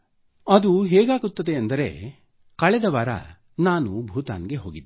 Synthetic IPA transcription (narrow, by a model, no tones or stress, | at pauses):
ɐd̪uɦɛːɡaːɡut̪ːɐd̪eɐnd̪ɐɾe̞̰ | kɐɭɛd̪ɐʋɐɾɐ̰ | naːnubʱuːt̪a̰ːnɡe̞ɦo̞ːɡid̪ː